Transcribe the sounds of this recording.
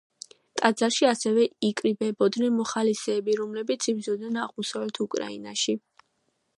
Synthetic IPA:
t̪ʼad̪zaɾʃiasɛvɛikʼɾibɛbɔd̪nɛnmɔχalisɛːbiɾɔmlɛbit̪sʰib̪zɔd̪nɛnaʁmɔsavlɛt̪ʰukʼɾa̰ḭnaʃi

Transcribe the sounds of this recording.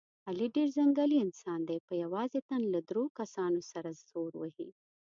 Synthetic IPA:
aliɖeɾzaŋɡaliɪnsɑnd̪ejpəjawɑzet̪anlad̪ɾokasɑnosaɾaz̥oɾwə̰hi

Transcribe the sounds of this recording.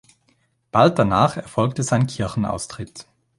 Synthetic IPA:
b̥alt̚d̥anaːχɛɐfɔlk̚təzaɪnkʰɪɐçn̩a̰ʊstʁ̥ɪt

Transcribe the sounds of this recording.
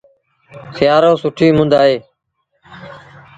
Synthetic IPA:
xjaːɾoːsʊʈʰiːmʊ̃nd̪aːɦeː

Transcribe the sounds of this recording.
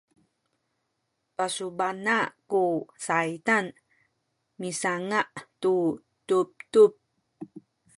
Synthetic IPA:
pasubanakusajtan | misaŋaʔtu | tup̚tup̚

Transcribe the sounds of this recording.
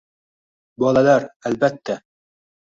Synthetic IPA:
bɒlˠɑlɑɾælbæt̪ːæ

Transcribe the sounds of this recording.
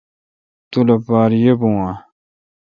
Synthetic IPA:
t̪ulɐpaːɾjebũwã

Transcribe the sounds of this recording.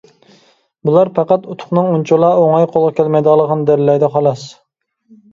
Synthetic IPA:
bulˠɑɾpʰɑqɑt̪ut̪ʰʊ̥χnɨŋunt͡ʃʰolˠɑoŋɑjqʰolˠʁɑkʲʰælmɛjd̪əʁlˠːəʁɑnd̪æɾlɛjd̪ɛχɑlˠɑs

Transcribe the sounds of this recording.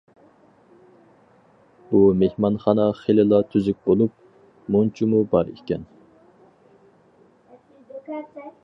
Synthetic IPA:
umehmɑnχɑnɑχelɪlˠɑt̪ʰyzyk̚ʲbolˠup̚ | munt͡ʃʰimubɑɾḛkʲɛn

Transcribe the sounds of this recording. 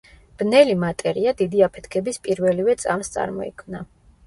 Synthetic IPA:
b̥nɛlimat̪ʼɛɾiad̪id̪iapʰɛ̥t̪ʰkʰɛbispʼiɾvɛlivɛt̪sʼa̰mst̪sʼa̰ɾmɔɛ̰kʰmna

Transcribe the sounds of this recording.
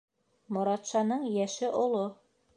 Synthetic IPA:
mŏɾɑt̪ʃɑnɤɴjæʃɘʔŏlˠo

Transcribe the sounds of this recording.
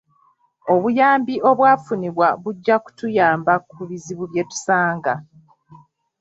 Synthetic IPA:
o̞βujaːmbiʔo̞βwaːfuniβwaβuɟːaku̥tujaːmbakuβiziβuβje̞tu̥saːŋɡa

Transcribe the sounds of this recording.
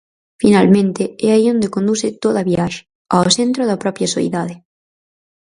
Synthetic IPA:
finalmẽnt̪eɛaiond̪ekond̪uset̪oðaβjaʃ | aosent̪ɾoðapɾɔpjasoḭðaðe

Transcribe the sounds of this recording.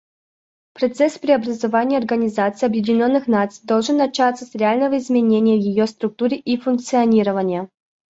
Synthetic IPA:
pɾɐt̪sɛspɾʲɪɐbɾəzɐvanʲɪjəɐrɡənʲɪzat̪sɨijɐbjɪdʲɪnʲo̞nːɨxnat̪sɨ̥jd̪o̞lˠʐɨnːɐt͡ɕat̪səsɾʲɪalʲnəvəɪzmʲɪnʲenʲɪjəvjɪjost̪ɾʊk̚t̪uɾʲɪʔifʊnk̚t̪sɨɐnʲiɾəvənʲɪjə

